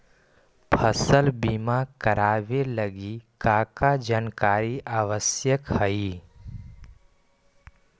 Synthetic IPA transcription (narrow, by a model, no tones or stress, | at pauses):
pʰəsəlbimakəɾaːʋeləɡikaːkad͡ʒaːnkaːɾiʔaːʋəsjəkhəi